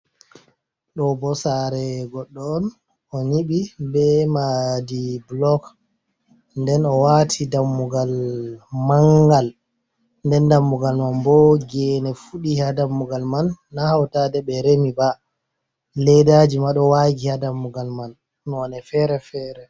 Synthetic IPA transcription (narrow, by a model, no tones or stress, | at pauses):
ɗɔbɔsaɾɛɡɔɗːɔːn | ɔɲiɓibɛmadiblɔk | ndɛnɔwatʰidamːuɡalmaŋɡal | ndɛndamːuɡalmanbɔɡɛnɛfuɗihadamːuɡalmanːahawtadɛɓɛɾemiba | lɛdad͡ʒimaɗɔwaɡihadamːuɡalmanː | nɛfɛɾɛfɛːɾɛ